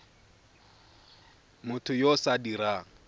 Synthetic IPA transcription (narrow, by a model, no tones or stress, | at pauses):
mʊtʰʊjosadiɾaːŋ̩